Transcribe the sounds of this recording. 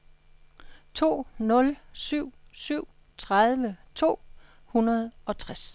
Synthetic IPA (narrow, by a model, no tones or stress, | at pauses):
t͡sʰo̝̰ːnɔ̽lsyʊ̰syʊ̰ | t͡sʰʁaðˠʋət͡sʰo̝̰ː | hunɐð̞ˠɒ̽t͡sʰʁas